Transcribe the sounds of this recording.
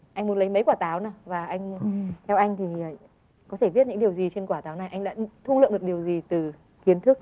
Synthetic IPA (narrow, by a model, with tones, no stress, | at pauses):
ʔa˧jŋ̟mu˨˦nlə˨˦jmə˨˦jkwaː˧˩t̪aː˨˦wnaː˧˩vaː˨˩ʔa˧jŋ̟t̪ʰɛ˧wʔa˧jŋ̟t̪ʰiː˨˩˨ | kɔ˨˦t̪ʰe˧˩vi˦˥ət̚ɲɨ̰˧˥ŋɗi˨˩əwzi˨˩t͡ɕe˧nkwaː˧˩t̪aː˨˦wna˨˩jʔa˧jŋɗa̰ː˧˥t̪ʰu˧lɨ̰˧˨ŋɗɨ˨˩ɗi˨˩əwzi˨˩t̪ɨ˨˩ | ki˨˦ənt̪ʰɨ˦˥k̚